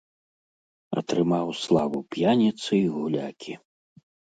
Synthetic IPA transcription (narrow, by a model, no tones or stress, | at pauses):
ɐ̰t̪ɾɨmawslˠavupjanʲit̪sɨiɣulʲakʲʰi